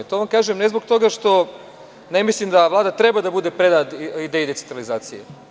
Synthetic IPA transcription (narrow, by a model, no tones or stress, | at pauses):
t̪o̞ʋamkaːʒemnezbokt̪o̞ɡaʃt̪o̞ | nemislimd̪aʋlaːd̪at̪ɾe̞bad̪abud̪e̞pɾed̪aid̪ejid̪esent̪ɾalizaːt̪sije